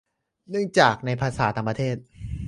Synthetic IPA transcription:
nɯ˥˩əŋt͡ɕaː˨˩k̚na˧jpʰaː˧saː˩˦t̪aː˧ŋpɾa˧t̪ʰeː˥˩t̪̚

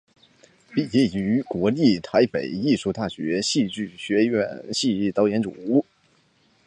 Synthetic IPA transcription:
pi˨˩t͡ɕi˥˩y˧˥kwɔ˧˥li˥˩t̪ʰa˧˥ɪpe˨˩˦ɪi˥˧ʂu˥˧t̪a˥˩ɕɥɛ˧˥ɕi˥˧t͡ɕy˥˩ɕɥɛ˧˥ɥɛ˧˥˩nɕi˥˧i˥˩t̪ɑ˧˥ʊjɛ˧˥nʈ͡ʂṵ˨˩u˥˩

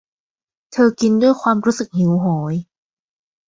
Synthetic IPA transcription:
t̪ʰɤː˧ki˧ndu˥˩əjkʰwaː˧mɾuː˦˥sɯ˨˩k̚hi˩˦wɦɔː˩˦j

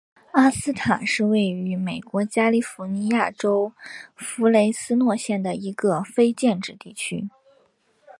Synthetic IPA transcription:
a˥sɹ̩˥t̪ʰa˨˩nʂɻ̩˥˧we˥˩ɪy˧˥me˨˩ɪkwɔ˧˥t͡ɕja˥li˥˩fu˧˥ni˧˥ja˥˩ʈ͡ʂo˥ʊfu˧˥le˧˥ɪsɹ̩˥nwɔ˥˧ɕjɛ˥˩nd̪ə˩i˧˥ɡə˧fe˥ɪt͡ɕjɛ˥˧nʈ͡ʂɻ̩˥˧t̪i˥˩t͡ɕʰy̰˥

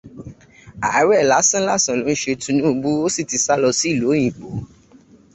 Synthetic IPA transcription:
a˨˦ɾɛ˦˨la˨˦sã˦la˦˨sã˨lo˨˦n̩˦ʃe˧tũ˦˧˦nũ˦˧ɡ͡bu˦o˦si˦˨ti˧sa˦lɔ˧si˦˨lo˨˦jĩ˨k͡po˨˦

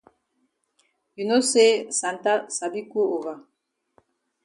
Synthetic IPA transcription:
ju˨no˦se˦sa˨nta˦sa˨bi˦ko˦o˨ɣa˨

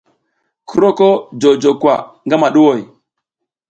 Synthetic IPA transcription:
ku˦ɾo˦ko˦d͡ʒo˨d͡ʒo˨kwa̰˨ŋɡa˦ma˨ɗu˦wo˨j

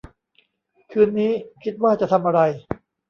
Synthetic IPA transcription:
kʰɯː˧nːiː˦˥kʰi˦˥t̪̚waː˥˩t͡ɕa˨ʔt̪ʰa˧mʔa˧ɾa˧j

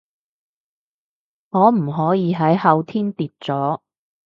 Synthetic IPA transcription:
ŋɔː˨˧m̩˨˩ɦɔː˨˥jiː˨˧ɦɐ˨˥jhɐ˨˧wt̪ʰiː˥nt̪iː˨˧t̚t͡sɔː˨˥

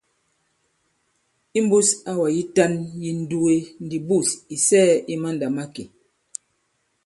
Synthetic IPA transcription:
i˦m˦bu˦sa˦wa˨ji˦ta˦nji˦n̩˦du˦e˦n̩˦di˨bu˦˨si˨sɛː˦ʔi˦ma˦n˨da˨ma˦ke˨

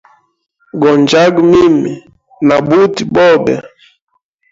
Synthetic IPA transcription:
ɡɔ˨nd͡ʒa˦ɡmi˦mi˨ | na˨bu˦ti˨bɔ˦˨bɛ̰˨

